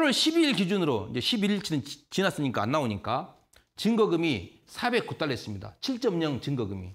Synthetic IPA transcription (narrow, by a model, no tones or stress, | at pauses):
ɾwʌɭɕʰibiɭkid͡ʑunɯɾoind͡ʑe̞ɕʰibiiɭt͡ɕʰinɯnt͡ɕinas͈ɯɲik͈aanːaoɲik͈a | t͡ɕɯŋɡʌɡɯmi | sʰabe̞k̚kut͈aɭɦe̞s͈ɯmɲida̰t͡ɕʰiɭt͡ɕ͈ʌmɲʌŋt͡ɕɯŋɡʌɡɯmḭ